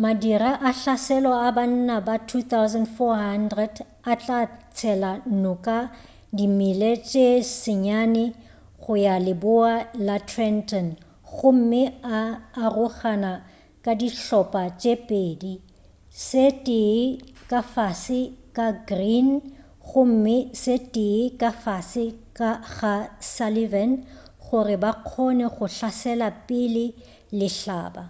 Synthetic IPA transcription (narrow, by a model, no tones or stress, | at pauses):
madiraʔaɬasɛlɔaban̩nabatʰut̪awzɛndfɔɦandrɛd | at͡ɬʼat͡sʰɛlan̩nɔkʼa | dimilet͡ʃʼesɪɲanɪ | ɣʊjalɪbʊalatʰrɛntʰʼɔn | ɣʊm̩mɪaːrʊχana | kʼadiɬɔpʼat͡ʃʼepʼeːdi | sɪtʼɪkʼafasɪkʼaɡrin | ɣʊm̩mɪsɪtʼɪkʼafasɪkʼaɣasalivɛn | χʊrɪbaq͡χʰɔnɛχʊɬasɛlapʼɪlɪ | lɪɬa̰ːba̰